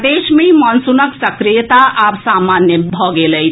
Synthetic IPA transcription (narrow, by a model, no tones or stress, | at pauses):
d̪eːʃmẽmɔnsunəksəkɾijət̪aʔapsaːmaːnjəbʱɔɡelə